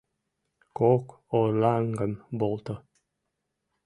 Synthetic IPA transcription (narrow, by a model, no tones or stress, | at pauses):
kok | olaŋɡəmbolˠt̪ə